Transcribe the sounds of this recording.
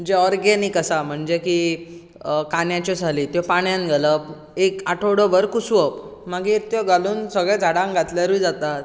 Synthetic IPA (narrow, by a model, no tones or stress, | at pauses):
əɳd͡zeɔɾɡenikəsam̤əɳd͡zeki | kanjat͡ɕɔd͡zʱalit̪jɔpaɳjanɡʱələb | ekaʈʰəɽəʋəɾkusuʋəpmaɡit̪jɔɡaluːnsəɡɭɛ̃d͡zʱaɽãŋɡʱat̪laɾid͡zat̪at̪